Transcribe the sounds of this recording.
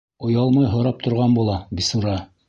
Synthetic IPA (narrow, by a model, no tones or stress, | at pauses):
ŏjɑlˠmɑjɦŏɾɑp̚t̪ʰŏɾʁɑnbulˠɑbisuɾɑ